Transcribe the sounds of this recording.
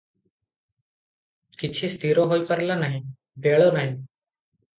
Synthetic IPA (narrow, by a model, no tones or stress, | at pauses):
kit͡ɕʰiːst̪ʰiɾoɦojkəɾlanaɦi | beɭonaɦi